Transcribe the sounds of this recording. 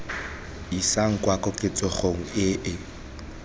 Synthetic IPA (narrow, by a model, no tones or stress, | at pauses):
isaŋ̩kʼwakɔkʼɪt͡sʼɔχoŋ̩ɪʔɪ